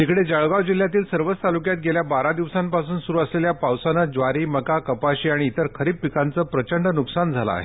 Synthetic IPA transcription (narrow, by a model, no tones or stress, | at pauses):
t̪ikɽed͡zəɭɡaʋd͡ʑil̤ːjat̪iːlsəɾʋət͡st̪alukjat̪̚ɡeljabaɾad̪iʋsãmpasuːnsuɾuːəsleljapawsanəd͡ʑʋaɾiːməkakəpaɕiːaɽ̃iːt̪əɾkʰəɾiːppikʰant͡səːpɾət͡ɕəɳɖnuksand͡zʱala̰a̰ɦḛ